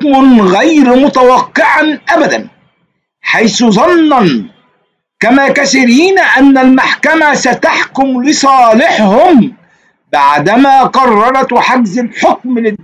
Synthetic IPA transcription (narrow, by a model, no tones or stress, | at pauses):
mnɣajɾmʊt̪awɑqːɪʕanʔabad̪a̰n | ħajθʊzˤɑnːɑn | kamaːkasɪɾiːnaʔanːalmaħkamasat̪aħkʊmlɪsˤɑːlɪħhʊm | baʕd̪amaːqɑrˤːɑɾˤɑt̪ħaɡzalħʊk̚mlɪ